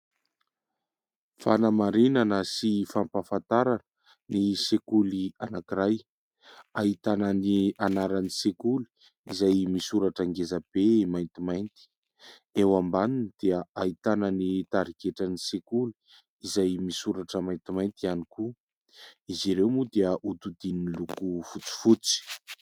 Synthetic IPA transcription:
fanamaɾinanəsifampafant̪aɾanə | nisekulianakiɾaj | ait̪ananianaɾanisekuli̥ | izajmisuɾaʈ͡ʂaŋɡezab̥emajnt̪imajnt̪i̥ | ewambanind̪̥eəait̪anənit̪aɾikeʈ͡ʂanisekuli̥ | izajmisuɾaʈ͡ʂəmajnt̪imajnt̪ianiku | iziɾewmud̪eəʔut̪ud̪ininlukufut͡si̥fut͡si̥

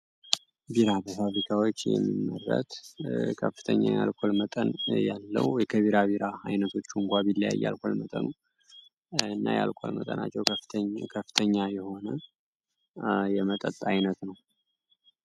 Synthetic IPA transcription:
biɾabəfafikʰawo̞t͡ʃːjɛ̰mːimːərːət̪kʰəfːɨ̥t̪ʰəɲːa̰jalkʷʰolmət̪ʼənjalːə̰wjɛkʰəβiɾaβiɾaajnət̪ʰo̞t͡ʃːuɨŋkʷaβilːja̰jːa̰lkʰʷo̞lmət̪ʼə̰nu | ɨnːajalkʷʰolmət̪ʼəna̰t͡ʃːɛwkʰəfːɨ̥t̪ʰəɲːajɛho̞nə | jɛmət̪ʼət̪ʼajnət̪nəw

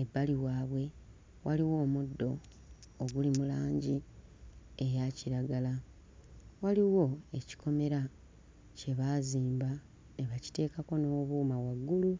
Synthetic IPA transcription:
e̞bːaliwaːβwe̞ | wʔaliwo̞ːmudːo̞ː | ɡulimulaːɲɟi | e̞jaciɾaɡala | waliwo̞e̞ci̥kʰo̞me̞ɾa | ce̞βaːziːmba | neβaci̥te̞ːkako̞no̞ːβuːmawaɡːulu

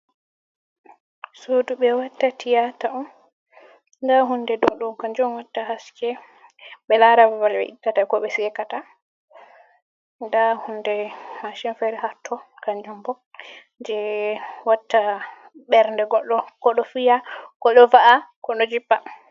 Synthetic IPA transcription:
soduɓɛwatːatijataʔɔm | ndaɦundɛdɔɗumkaɲd͡ʒɔmwatːahaskɛ | ɓɛlaɾawawalbɛ̰ʔitːatajkɔɓɛsɛkata | ndahundɛmaʃinfɛɾɛɦatːɔkaɲd͡ʒumbɔ | ɲd͡ʒɛwatːa | ɓɛɾndɛɡɔɗːɔkɔɗɔfijakɔɗɔvaʔakɔɗɔd͡ʒipːa

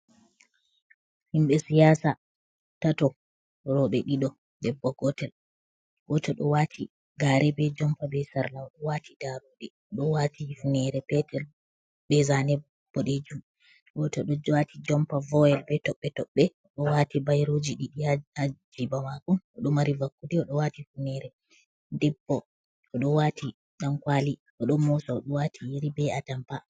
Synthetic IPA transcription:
himɓɛsijaːsa | tatɔ | ɾɔɓɛɗiɗɔ | dɛbːɔɡɔtɛl | ɡɔtɛɗɔwatʰi | ɡaːɾɛbɛd͡ʒɔmpabɛsaɾlawɗɔwatʰidaɾoɗɛ | ɗɔwatifnɛɾɛpɛtɛl | bɛzanɛbː | ɔɗed͡ʒum | wɔtɔɗɔd͡ʒɔwatʰid͡ʒɔmpavɔɛlbɛtɔɓːɛtɔɓːɛɔɗɔwatibajɾod͡ʒiɗiɗiaad͡ʒibamakɔnɔɗɔmaɾivakːudiɔɗɔwatifunɛɾɛ | dɛbːɔ | ɔɗɔwatʰi | ɗankwaːli | ʔɔɗɔnmɔsɔɔɗɔwatʰijiɾibɛatampa

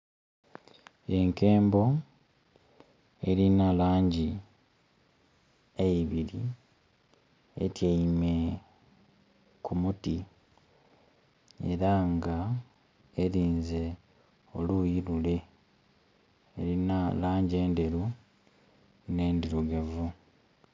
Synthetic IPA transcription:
e̞ŋke̞ːmbo̞ | e̞ɾinalaːɲɟi | eiβiɾi | ḛtjeime̞ | kumuti | e̞̰ɾaŋɡa | eɾiːnze̞ | olujilule̞ | eɾinalaːɲɟe̞ːnde̞ɾu | ne̞ːndiɾuɡevu

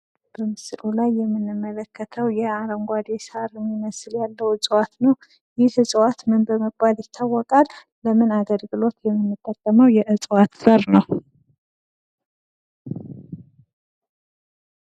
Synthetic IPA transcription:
b̥əmɨsɨlulajːɛmːɨnːɨmːələkʰːət̪ʰəwjɛaɾəŋɡʷad̪esaɾɛmːiməsɨljalːəwɨt͡sʼwat̪nəw | jɪhɨsʼwat̪mɨnbəməɡbaljɪt̪ʰːawːɔkʼalː | əmɨnaɡəlɡɨlo̞t̪jɛmːɨnːɨt̪ʼːəkʼːəməwjɛʔɨt͡sʼwat̪səɾnəw

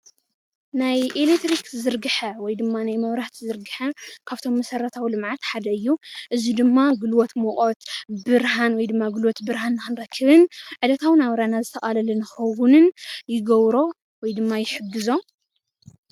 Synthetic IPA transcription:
najʔelekt̪ɾikzɨɾɡɨħɐwɔjd̪ɨmːanajmɐβɾaht̪zɨɾɡɨħɐkʰaβt̪ʰo̞mːɐsɐɾːɐt̪ʰawilɨmʕat̪ħad̪ɐɨjːuʔɨzid̪ɨmːaɡɨlwot̪mɔkʼot̪bɨɾɦanwɔjd̪ɨmːaɡɨlwot̪bɨɾhanːɨxɨnɾɐkʰːɨβɨnʕɨd̪ɐt̪ʰawnawɾanazɨt̪ʰɐʔʼalɐlɐnɨxɐwʊnɨnjɪɡɐβɾo̞ | wɔjd̪ɨmːajɪħɨɡːɨzo̞

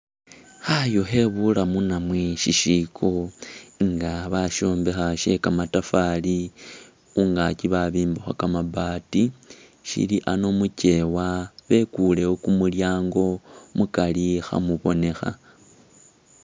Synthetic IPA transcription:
xajoxe̞βulamunamweʃiʃikʰo | ŋɡaβaʃo̞ːmbe̞xaʃe̞̰kamatafali | uŋɡaciβaβiːmboxwakamabati | ʃḭliʔano̞muce̞waβe̞kule̞wokumuljaːŋɡo̞mukalixa̰muβo̞ne̞xa̰

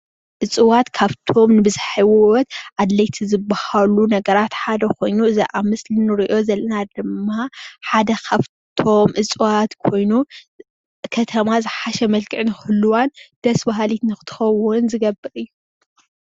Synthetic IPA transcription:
ʔɨt͡sʼɨwat̪kʰaβt̪ʰo̞mnɨbɨzħiwwɔt̪ʔad̪lɐjt̪ʰizɨbːahalunɐɡɐɾat̪ħad̪ɐkʰo̞jnuɨziʔamɨsʼlinɨɾiʔo̞zɐlːɐnad̪ɨmːaħad̪ɐkʰaβ | t̪ʰo̞mʔɨt͡sʼɨwat̪kʰo̞jnu | kʰɐt̪ʰɐmazɨħaʃɛmɐlkʼɨʕnɨxɨlːuwand̪̥ɐsbaɦalit̪nɨxɨ̥t̪ʰɨ̥xɐwʊnzɨɡɐbɨɾɨjːu

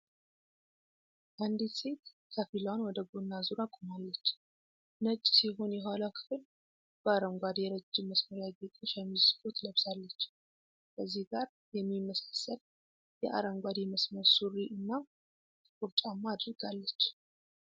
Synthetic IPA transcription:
ʔand̪it̪se̞t̪ | kʰəfilwanwɔd̪əɡonːazuɾakʼomalːət͡ʃː | nət͡ʃʼːsiɦo̞njɛɦalawkʰɨ̥fɨl | b̥əaɾəmɡʷad̪jɛɾəd͡ʒːɪmːəsməɾjaɡet̪ʼoʃɛmːizfot̪ləβsalːət͡ʃː | kʰəzːihɡaɾ | jɛmːimːəsḁsːəl | jɛʔa̰ɾəmɡʷad̪eməsməɾsuɾiʔɨnːa | kʼuɾt͡ʃʼamːad̪ɾɨɡ̥alːət͡ʃː

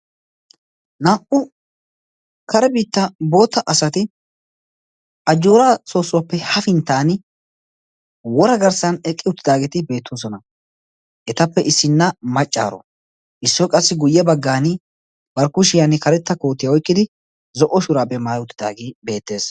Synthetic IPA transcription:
naːʔʊ | kɐɾɛbiːt̪ːɐbo̞ːt̪ːɐʔɐsɐt̪ɪ | ʔɐd͡ʒːuːɾaso̞ːsːʊwɐpːɛhɐfɪnt̪ːaːn | wɔɾɐɡɐɾsɐnɛkʼːɪʊt̪ːɪd̪aːɡɛt̪ɪbe̞ːt̪ʰːoːs̬ɔnɐ | ʔɛt̪ɐpːɛʔɪsːɪnːɐmɐt͡ʃʼːa̰ːɾɔ̰ | ʔɪsːɔkʼɐsːɪɡʊjːɛbɐɡːaːnɪ | bɐɾkʊʃɪjanɪkɐɾɛt̪ːɐkoːt̪ːɪjɐwɔjkʼːɪd̪ɪ | zɔʔːɔʃʊɾaːbɛmaːjʊt̪ːɪ̥d̪a̰ːɡibe̞ːt̪ːe̞ːs

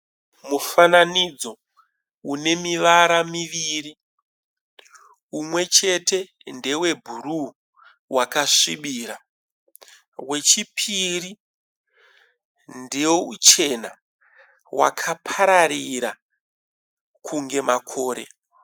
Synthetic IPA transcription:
mufananid͡zo̞ | une̞miʋaɾamiʋiɾi | umwe̞t͡ʃe̞te̞ | nde̞we̞bʱuɾu | wakaʂiɓiːɾa | we̞t͡ʃipʰiri | ndewout͡ʃe̞na̰ | wa̰kʰapʰaɾaɾiɾa | kʰuŋɡe̞makʰo̞ːɾe̞̰

